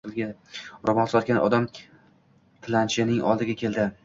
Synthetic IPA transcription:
ɪlɡʲaɾɒmɒnsɒt̪̚ɡʲanʔɒ̰d̪am | t̪ʰɪlant͡ʃʰɪnɪŋʔɒ̰lˠd̪ɪɡʲakʲʰe̞ld̪ɪ

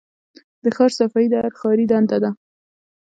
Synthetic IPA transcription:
d̪̥əxɑɾsafaid̪aaɾxɑɾid̪and̪ad̪a

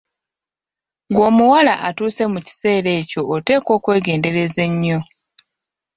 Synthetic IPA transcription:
ŋɡo̞ːmuwalaʔatuːse̞muci̥se̞ːɾe̞ːco̞ːte̞ːko̞ːkwe̞ːɡe̞ːnde̞ɾe̞ze̞ɲːo̞

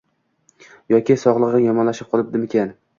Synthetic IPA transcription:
jɒkʲʰɪsɒʁlˠɨʁɨjɒmɒnlaʃɪp̚qʰɒlˠɪp̚d̪ɪmekʲʰan

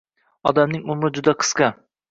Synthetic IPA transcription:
ɒd̪amnɪŋʊmɾɪd͡ʒʊd̪aqʰɨ̥sqɑ

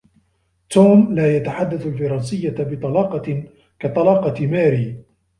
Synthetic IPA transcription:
t̪oːmlaːjat̪aħad̪ːaθalfɑɾˤɑːnsɪjːabɪt̪ˤɑlɑːqɑ | kat̪ˤɑlɑːqɑmaːɾiː

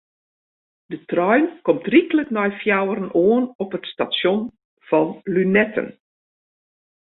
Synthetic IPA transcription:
dətrɔɥnkɔmtrikələknɔjfjawəɾənʔoənɔpətstasjon | v̥ɔnlynɛtə̰n

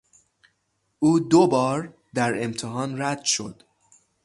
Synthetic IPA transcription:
ʔuːd̪obɒːɾ | d̪æɾe̞mt̪ʰeɦɒːnɾæd̪̥ʃo̞̰d̪̥

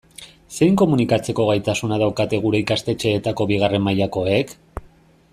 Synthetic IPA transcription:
se̞jŋko̞munikat͡se̞ko̞ɣ̞ajt̪asunað̞awkat̪e̞ɣuɾe̞ikast̪e̞t͡ʃe̞ːt̪ako̞βiɣ̞are̞mːajako̞e̞k

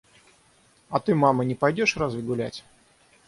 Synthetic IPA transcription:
ɐt̪ɨmamənʲɪpɐjdʲoʂɾazvʲɪɡʊlʲæ̰tʲ

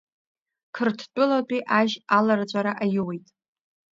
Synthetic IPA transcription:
kʰɨrtʰt͡pʷʼʊlat͡pʼiʔaʒalart͡ɕʷʼaɾaʔajwejtʼ

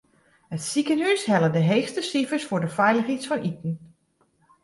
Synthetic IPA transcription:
hətsikənɦyshɛlədəɦejxstəsifəɹsfʊɹdəfɛjləxitsfɔnʔitn̩

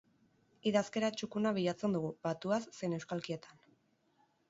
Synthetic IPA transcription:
iðaske̞ɾat͡ʃukunaβ̞iʎat͡se̞nd̪uɣubat̪uasːe̞jne̞wskalkie̞t̪an

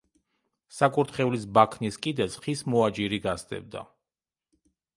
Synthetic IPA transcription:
sakʼuɾt̪χɛulisbakʰniskʼid̪ɛsχismɔad͡ʒiɾiɡasd̪ɛ̰bd̪a̰

